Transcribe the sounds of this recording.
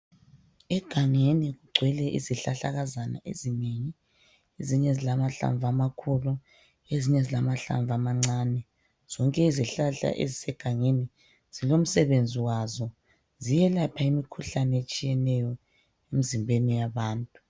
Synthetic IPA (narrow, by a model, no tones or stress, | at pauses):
ɛɡ̥ʱaŋeniɣuɡ͡ǀʱwɛlɛʔḭziɬaɬaɣazana̰ʔḛzineɲi | eziɲɛzilamaɬa̰ɱvamakʰulu | eziɲɛzilamaɬa̰ɱvʱamaŋ͡ǀaːnɛ | z̥ɔŋkʼɛiziɬaɬa̰ʔḛzisɛɡ̥ʱaŋeni | z̥ilom̩sɛβend͡zʱiwazɔ | zijɛlapʰaimikʰuɬanɛet͡ʃʼijɛnɛjɔ | emizimbʱenijaβaːntʼu